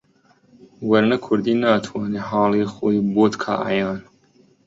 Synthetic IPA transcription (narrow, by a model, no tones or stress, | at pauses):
wɐɾnɐkʰʊɾd̪iːnaːt̪ʰwɑːneɦɑːliːxoːiboːt̪kʰa̰ːʔa̰jɑːn